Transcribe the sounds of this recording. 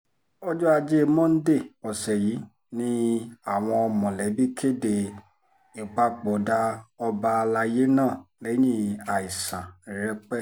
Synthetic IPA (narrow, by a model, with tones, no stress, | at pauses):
ɔ˦d͡ʒɔ˦a˧d͡ʒe˦˧mɔ̃˦n̩˦de˦˨ɔ˨sɛ˨ji˨˦ | nĩ˦a˦˨w̃ɔ̃˧ɔ˧mɔ̃˨lɛ˨˦bi˦kʰe˦˨de˨ | i˨k͡pa˧k͡po˨˦da˦ɔ˧ba˧la˧je˦nãː˦˨le˨˦jĩ˦˨a˨i˨sã˨ɾɛ˧k͡pɛ˦˨